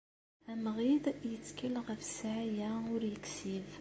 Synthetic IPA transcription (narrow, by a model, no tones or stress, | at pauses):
æmʁiðjət͡sːkəlʁəfsʕajæʊɾjəksið